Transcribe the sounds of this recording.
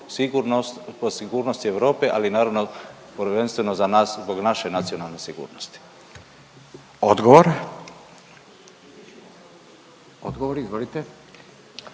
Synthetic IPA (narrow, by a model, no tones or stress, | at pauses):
siɡuɾnost̪posiɡuːɾnost̪ieʋɾo̞ːpeʔalinaːɾaʋno | pəɾʋe̞nst̪ʋe̞nozanaːszbo̞ɡnaʃenat̪sio̞nalne̞siɡṵːɾnost̪i̥ | od̪ɡoʋoɾ | o̰d̪ɡoʋoɾizʋolit̪e